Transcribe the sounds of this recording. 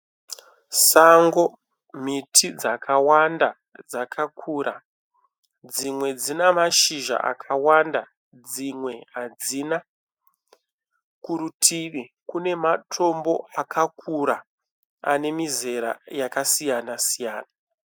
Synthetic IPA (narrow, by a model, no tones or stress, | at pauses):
saŋɡo̞ | mitʰid͡zakʰawanda | d͡zakʰakʰuːɾa | d͡zimwe̞d͡zinamaʃiʒa̰ʔa̰kʰawanda | d͡zimwe̞ɦad͡zina | kuɾutʰiʋikune̞matʰo̞mbo̞akʰakʰuɾa | ane̞mize̞ɾa̰jakasijanasijaːna